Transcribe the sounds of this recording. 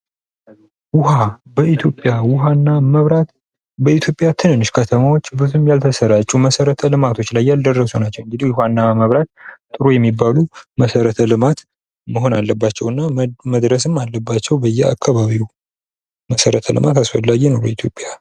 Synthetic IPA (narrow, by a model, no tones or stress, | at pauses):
wʊɦabəit̪ʰjo̞pʼːjawʊɦanːaməβɾat̪ | bəit̪ʰjo̞pʼjat̪ʰɨnɨnːɨʃkʰət̪ʰəmawo̞t͡ʃːbɨzumjalt̪ʰəsəɾat͡ʃʼuməsəɾət̪ʰəlɨmat̪ʰo̞t͡ʃːlajːald̪ərːəsunat͡ʃːɛwɨŋɡɨd̪ihwʊhanːaməβɾat̪t̪ʼɨɾojɛmːibːaluməsəɾət̪ʰəlɨmat̪ | məɦo̞nalːəbːat͡ʃːɛwɨnːaməd̪ɾəs̬ɨmːalːəbːat͡ʃːɛwbəjːɛa̰kʰːaβaβiw | məsəɾət̪ʰəlɨ̰mat̪asfəlːaɡɛnoɾoit̪ʰjo̞pʼːja